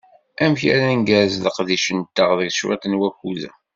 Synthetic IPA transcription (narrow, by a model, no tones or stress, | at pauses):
æmçæ̰ɾæŋɡæzləqðiʃənt̪ːəʁðəɡʃwæ̰t̪ənwækuðæ